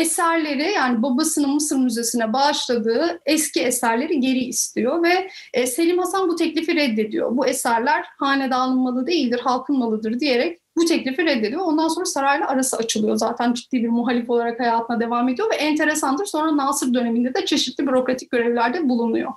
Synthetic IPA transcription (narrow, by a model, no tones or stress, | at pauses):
esæɾlʲe̞ɾijaːnibabasɯnɯnmɯsɯɾmyze̞sinɛbaʃlˠad̪ɯːɛsciesæɾlʲe̞ɾiɟe̞ɾiːst̪ʰijo̞vɛː | se̞lʲimhasanbut̪ʰɛclʲifiɾɛd̪ːe̞d̪ḭjo̰buesæɾlʲæɾhaːnɛd̪aːlˠɯnmalˠɯd̪e̞jilʲd̪iɾɦalˠkʰɯnmalˠɯd̪ɯɾd̪ije̞ɾɛc̚ | but̪ʰɛclʲifiɾɛd̪ːe̞d̪ijoond̪anso̞nɾasaɾajlˠaʔaɾasɯat͡ʃʰɯlˠɯjo̞zaːt̪ʰænd͡ʒit̪ːiːbiɾmuɦalʲifo̞lˠaɾakhajaːt̪ʰɯnad̪e̞vaːme̞d̪ijo̞vɛʔɛnt̪ʰe̞ɾesand̪ɯɾso̞nɾanaːsɯɾd̪ø̞ne̞mind̪ɛd̪ɛt͡ʃʰe̞ʃit̪lʲibyɾo̞kɾat̪ʰi̥c̚ɟø̞ɾɛvlʲæɾd̪ɛbulˠunṵjo̰